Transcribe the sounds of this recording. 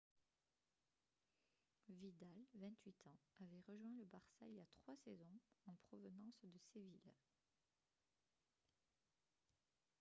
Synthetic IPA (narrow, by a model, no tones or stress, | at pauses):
vid̪alvɛ̃t̪ɥit̪ʰɑ̃avɛʁəʒwɛ̃ləbaʁsailjat̪χwasɛzɔ̃ɑ̃pχɔvənɑ̃sd̪əsevil